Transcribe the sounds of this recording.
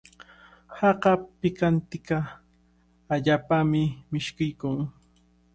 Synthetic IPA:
hɑɢɑpɪkant̪ɪkaː | ʎaːpamɪmɪʃkɪjkʊŋ

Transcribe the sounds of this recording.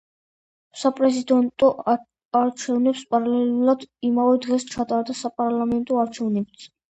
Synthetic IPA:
sapʼɾɛzid̪ɛnt̪ʼɔʔ | aɾt͡ʃʰɛvnɛpspʼaɾalɛluɾad̪imavɛd̪ʁɛst͡ʃʰat̪ʼaɾd̪asapʼaɾlˠamɛnt̪ʼɔaɾt͡ʃʰɛvnɛb̚t̪sʰ

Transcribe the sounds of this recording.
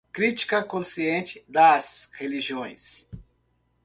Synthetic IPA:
kɾit͡ʃi̥kɐkõsiẽnt͡ʃɪd̪ɐsheliʒiõj̃s

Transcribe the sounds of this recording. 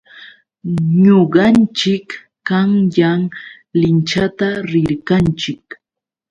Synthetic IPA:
ɲoɢɑnt͡ʃɪkː | aŋjaŋ | lɪnt͡ʃat̪aɾɪɾkant͡ʃɪk

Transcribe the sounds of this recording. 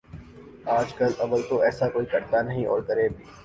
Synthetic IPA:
aːd͡ʒkɐlɐʋəlt̪oɛːsakoːikɐɾt̪anɐɦĩʔɔ̰ːɾkɐɾeːbʱiː

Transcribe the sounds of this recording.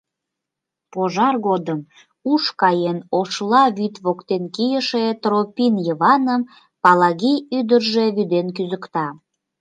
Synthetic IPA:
poʒɑrɣod̪əm | uʃkɑjenoʃlɑβyt̪βokt̪enkijəʃet̪ropʲinjəβɑnəm | pɑlɑɣiyd̪ərʒeβyd̪enkyzəkt̪ɑ

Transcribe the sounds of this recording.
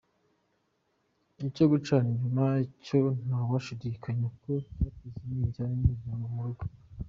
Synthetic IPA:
icoɡut͡ʃaniɲumaicon̥awaʃidiːkʰaɲekocakiziniɟaɲiamumuɾuɡo

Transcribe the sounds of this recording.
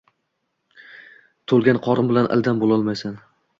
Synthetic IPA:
t̪ʰolˠɡʲanqʰɒɾɪmbɪlanʔɪ̰lˠd̪anbolˠɒlˠmajsan

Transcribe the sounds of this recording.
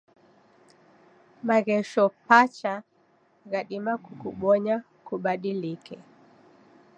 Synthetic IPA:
maɣɛʃɔpat͡ʃa | ɣaɗimakukuɓɔɲa | kuɓaɗilikɛ

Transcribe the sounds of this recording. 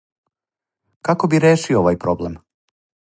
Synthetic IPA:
kako̞biɾeːʃiooʋajpɾoblem

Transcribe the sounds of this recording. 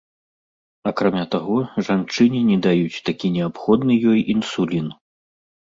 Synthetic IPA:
akɾamʲat̪aɣɔʐant͡ʂɨnʲinʲɛd̪ajut͡sʲt̪akʲinʲɛapxɔd̪nɨjɔjʔinsulʲin

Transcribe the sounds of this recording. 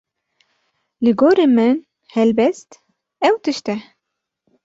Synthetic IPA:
lɨɡoːɾemɨn | hɛlbɛst̪ | ɛwt̪ɨʃt̪ɛ

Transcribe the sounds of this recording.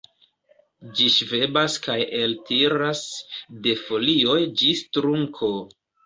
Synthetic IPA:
d͡ʒiʃve̞baskajeltʰiɾasde̞fo̞lio̞jd͡ʒistɾuŋkʰo̞

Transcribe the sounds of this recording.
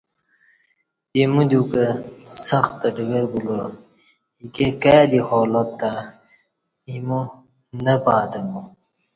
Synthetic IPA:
jimud̪ukɐsɐxt̪ːɐɖəɡɐɾɡulo | ikekad̪ihoːlɐt̪ːa | imu | nɐpaːt̪ɐmu

